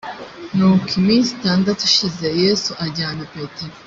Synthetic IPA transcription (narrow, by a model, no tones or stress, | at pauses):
nukʰimisitandatuʃize̞jeːsuʔaɟaːnapeteɾo